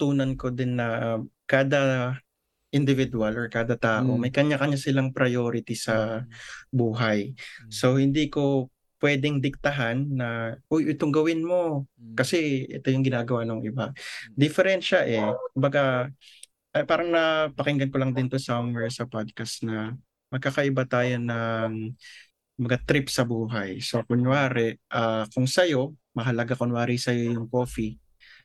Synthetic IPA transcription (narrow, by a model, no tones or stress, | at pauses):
t̪uːnɐnko̞d̪ɪnːɐ | kaːd̪ɐ | ʔɪnd̪ɪvɪd̪ʊɐlʔɔɹkaːd̪ɐt̪aːʔo̞mɐjkɐɲakɐɲasɪlaŋpɾɐjo̞ːɾɪt̪isɐ | buːɦɐjso̞hɪnd̪iːko̞ | pwɛːd̪ɪŋd̪ɪk̚t̪ɐɦanːɐʔojʔojt̪oŋɡɐwɪnmo̞kɐsɛʔɛ̰t̪ojʊŋɡɪnaːɡɐwanoŋʔɪbad̪ɪfɛɾɛnʃɐʔɛkʊmbɐɡa | ʔɐpaːɾɐŋnɐpɐkɪŋɡɐnkolɐŋd̪ɪnt̪osawmwɛɹsɐpad̪̚kɐsnɐ | mɐɡ̚kːakɐʔɪbat̪aːjo̞nɐŋ | mbɐɡat̪ɾɪpsɐbuːɦɐjsokʊnwaːɾɛʔakʊŋsɐjo̞mɐɦɐlɐɡakʊnwaːɾijsɐjo̞jʊŋko̞ːfi